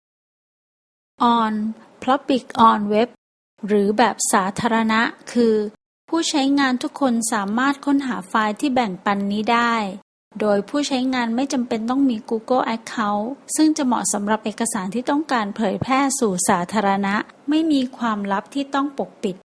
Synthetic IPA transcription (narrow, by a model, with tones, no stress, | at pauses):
ʔɔː˧n | pʰlɔ˦˥pbi˨˩k̚ʔɔː˧nwe˦˥p̚ | ɾɯː˩˦bɛː˨˩p̚saː˩˦t̪ʰaː˧ɾa˧na˦˥ʔkʰɯː˧ | pʰuː˥˩t͡ɕʰa˦˥jŋaː˧nt̪ʰu˦˥kʰːo˧nsaː˩˦maː˥˩t̪̚kʰo˥˩nɦaː˩˦faː˧jt̪ʰiː˥˩bɛ˨˩ŋpa˧nːiː˦˥daː˥˩j | doː˧jpʰuː˥˩t͡ɕʰa˦˥jŋaː˧nma˥˩jt͡ɕa˧mpe˧nt̪ɔ˥˩ŋmiː˧kuː˧kɤ˥˩ʔɛ˦˥kʰːa˦˥wsɯ˥˩ŋt͡ɕa˨˩mɔ̰˨˩sa˩˦mɾa˨˩p̚ʔeː˨˩kːa˧saː˨˩˦nt̪ʰiː˥˩t̪ɔ˥˩ŋkaː˧npʰɤː˩˦jpʰɛː˥˩suː˨˩saː˩˦t̪ʰaː˧ɾa˧na˦˥ʔma˥˩jmiː˧kʰwaː˧mɾa˦˥p̚t̪ʰiː˥˩t̪ɔ˥˩ŋpo˨˩k̚pi˨˩t̪̚